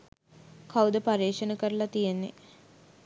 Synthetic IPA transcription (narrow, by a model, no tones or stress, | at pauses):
kʰawd̪əpaɾeːʂənəkəɾəlat̪ijenːḛ